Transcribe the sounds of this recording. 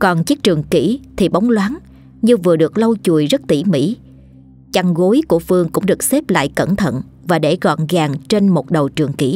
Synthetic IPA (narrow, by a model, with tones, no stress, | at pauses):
kɔ˨˩nt͡ɕi˦˥k̚t͡ɕɨ˨˩əŋki˧˩t̪ʰi˨˩ɓa˨˦wŋ͡mlwaː˨˦n | ɲɨ˧vɨ˨˩əɗɨ˨˩ək̚lə˧wt͡ɕu˧˨˩əjzə˦˥t̚t̪i˧˩mḭ˧˥ | t͡ɕa˧ŋɣo˨˦jku˧˩əfɨ˧əŋkʊ̰˧˥ŋ͡mɗɨ˨˩ək̚se˦˥p̚la̰ː˧˨jkə˧˩nt̪ʰə̰˧˨n | vaː˨˩ɗe˧˩ɣɔ̰˧˨nɣaː˨˩ŋt͡ɕe˧nmo˨˩t̚ɗə˨˩wt͡ɕɨ˨˩əŋkḭ˧˩